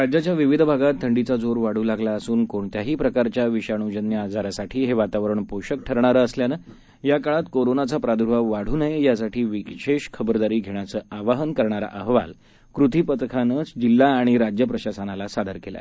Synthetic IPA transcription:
ɾad͡ʑjat͡ɕjaʋiʋid̪ʱbʱaɡat̪ʰːəɳɖit͡sad͡zoɾʋaɽ̤uːlaɡlaəsuːnkoɳt̪jaɦiːpɾəkaɾt͡ɕjaʋiɕaɳ̃ud͡ʑənjəad͡zaɾasaʈʰiːɦeʋat̪aʋəɾəɳpoɕək̚ʈʰəɾɳaɾəːsljanə | jakaɭat̪koɾonat͡sapɾad̪uɾʋaʋaɽ̤uːnəejasaʈʰiːʋikɕeɕkʰəbəɾd̪aɾiːɡʱeɳ̃jat͡səːaʋaɦənkəɾɳ̃aɾa̰ʔəɦʋa̰l | kɾut̪ʰipət̪kʰanət͡sd͡ʑilːaːɽ̃iɾad͡ʑjəpɾəɕasanalasad̪ʱəɾkela̰e

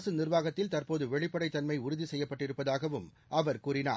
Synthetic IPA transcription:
sɯnɪrʋaːɣɐt̪ːɪlt̪ɐrpoːðɯʋɛɭɪpːɐɽɐɪt̪ːɐnmɐɪʊɾʊðisɛjːɐpːɐʈːɪɾɯpːɐðaːɣɐʋɯm | ʔɐʋɐɾkuːrɪna̰ː

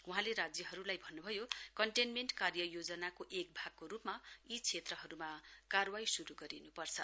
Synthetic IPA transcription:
uɦãleɾad͡zjʌɦʌɾulajbʱʌnːubʱʌjokʌɳʈenmeɳʈkarjʌjod͡zʌnakoʔek̚bʱaɡ̚koɾupmait͡sʰet̪rʌɦʌɾumakarwajsuɾuɡʌɾinupʌrt͡sʰʌ

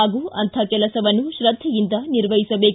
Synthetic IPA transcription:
aːɡuːʔɐnt̪ʰakɛlɐsɐʋɐnːuʃɾɐd̪ʱːɛjind̪ɐniɾʋɐɦisɐbe̞ːk

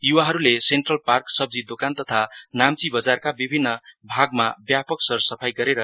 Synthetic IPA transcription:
juwaɦʌɾulesenʈrʌlparksʌb̚d͡zid̪okant̪ʌt̪ʰanamt͡sibʌd͡zarkabibʱinːʌbʱaɡmabjapʌksʌrsʌpʰajɡʌɾeɾʌ

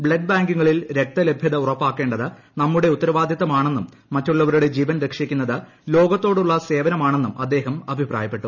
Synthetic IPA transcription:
bɭeɖbaːŋɡuŋːɐɭilɾek̚t̪ːɐle̞bʱjɐðɐurɐpːaːkːe̞ːɳɖɐðɨ | nɐmːuɽe̞ut̪ːɐɾɐʋaːd̪ʱjɐt̪ːɐmaːɳe̞nːumːɐtːuɭːɐʋɐɾuɽe̞d͡ʑiːʋɐnɾekʂikʲːunːɐðɨ | lo̞ːɡɐt̪ːo̞ːɽuɭːɐse̞ːʋɐnɐmaːɳe̞nːumʔɐd̪ːe̞ːɦɐmɐbʱipra̰ːjɐpːe̞ʈːu

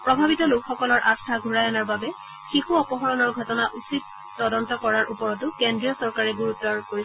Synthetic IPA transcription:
pɹɔbʱabitɔlʊkʰxɔkɔlɔɹʔastʰaɡʱuɹajɔnaɹbabɛ | xixuɔpɔɦɔɹɔnɔɹɡʱɔtɔnaʔusit̚ | tɔdɔntɔkɔɹaɹʔupɔɹɔtʊkendɹijɔsɔɹkaɹɛɡuɹutːɔɹkoɹi

